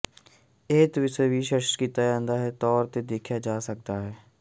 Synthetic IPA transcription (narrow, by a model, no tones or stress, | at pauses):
eːt̪ʋɪsebiʃəʃkit̪ajãːnd̪aɦɛt̪ɔːɾt̪ed̪eːkʰjad͡ʒaːsək̚t̪aɦɛː